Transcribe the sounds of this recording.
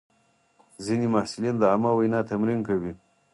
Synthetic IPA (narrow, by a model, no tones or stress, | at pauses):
zinimahsɪlind̪əamawajnɑt̪amɾinkawi